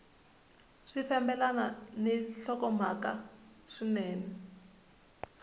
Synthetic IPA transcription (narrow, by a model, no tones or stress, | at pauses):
ʂiθɛmbɛlananɛɬɔkɔm̤akaʂinɛːnɛ